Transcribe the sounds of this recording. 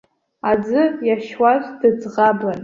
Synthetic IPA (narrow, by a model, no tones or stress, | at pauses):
ad͡zɨjaʃwaʒʷdɨd͡zʁablan